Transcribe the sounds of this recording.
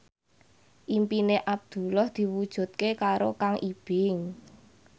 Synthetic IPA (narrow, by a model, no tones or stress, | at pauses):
ʔimpineʔab̚d̪̥ṳlɔhd̪̥i̤wud̥ʒ̥ṳt̪̚kekaɾokaŋʔib̥ɪŋ